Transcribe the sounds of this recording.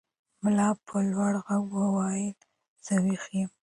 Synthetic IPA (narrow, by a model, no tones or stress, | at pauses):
mlɑpʰəlwaɽɣaɡwəwɑjəl | z̥awixim